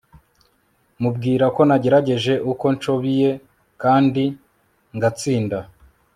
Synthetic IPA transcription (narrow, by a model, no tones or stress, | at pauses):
mub̚ɡiːɾako̞naɟe̞ɾaɟe̞ʒe̞ʔuko̞nt͡ʃo̞βije̞ | kaːndi | ŋɡat͡siːnda